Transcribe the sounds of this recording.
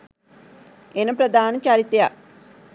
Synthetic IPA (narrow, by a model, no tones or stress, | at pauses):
enɐpɾɐd̪ʱaːnɐt͡ʃaɾit̪ja